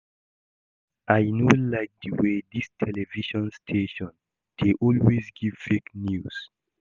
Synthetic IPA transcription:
ʔajnolaɪk̚dəwedistʰɛlɛviʃɔ̃nstʰeʃɔ̃n | d̥eʔɔlwezɡiv̥feknjus

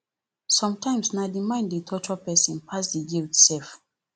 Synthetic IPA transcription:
sɔ̃mtʰãɪ̃msnadimãɪ̃nditʰɔt͡ʃuapɛsɔ̃npʰas̬dəjiitsɛlf

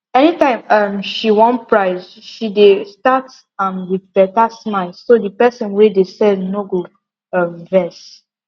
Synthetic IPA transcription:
ɛnitãɪ̃mamʃiwɔ̃npɹaɪzʃidestat | ãmwiðbɛtasmaɪlsodəpɛsɔ̃nwɛdesɛdnoɡo | amvɛs

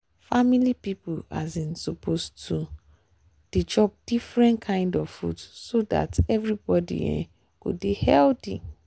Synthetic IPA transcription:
familipipulazĩnsɔpʰostʰu | d̥it͡ʃɔp̚d̥ifɹɛ̃ntkʰãɪ̃ndɔvfṵdsoda̰tɛvɹibɔdḭɛ̰̃ | kṵdihɛldḭ̃

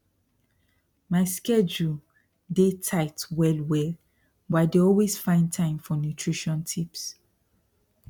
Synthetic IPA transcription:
maɪskɛd͡ʒu | detʰaɪtwɛlwɛl | badeɔlwez̥fãɪ̃ntʰãɪ̃mfɔnjutʰɹiʃɔ̃ntʰips

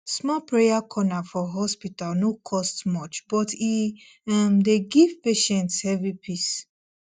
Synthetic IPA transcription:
smɔpɹejakʰɔnafɔɦɔspitalnokʰɔstmɔt͡ʃb̥ɔti | amdeɡivpeʃɛ̃ntshɛvipʰis

